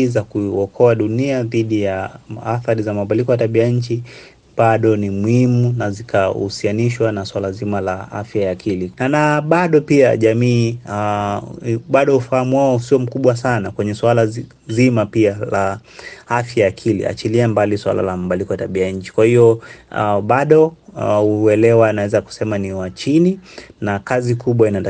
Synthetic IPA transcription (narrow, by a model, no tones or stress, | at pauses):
zakuɔkʰɔaɗuniaðiɗijaaθaɾizamauɓalikɔjataɓiaɲ̩t͡ʃi | ɓaɗɔnimuhimunazikʰausianiʃwanaswalazimalaa̰fjajakʰilinanaɓaɗɔpia̰ʄamiː | ɓaɗɔufahamuwaɔusiɔm̩kuɓwasanakwɛɲɛswala | zimapialaafjajakʰilḭa̰t͡ʃiliambaliswa̰la̰lamaɓalikɔjataɓiajaɲ̩t͡ʃi̥kwahiɔ | ɓaɗɔuɛlɛwanawɛzaku̥sɛmaniwat͡ʃininakazikʰuɓwainata